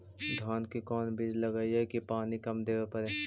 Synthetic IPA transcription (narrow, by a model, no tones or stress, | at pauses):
d̪ʱaːnkikɔːnbɪd͡ʒlɐɡaiɦɛkipaːnikɐmd̪eːʋepɐɾeː